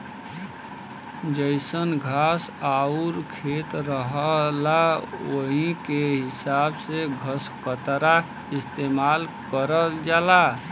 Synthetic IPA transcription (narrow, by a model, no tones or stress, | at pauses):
d͡ʒəɪsənɡʱasauɾkʰet̪ɾəɦəlaoɦikeɦɪsaːbseɡʱəskət̪ɾa | ɪst̪eːmaːlkəɾəld͡ʒala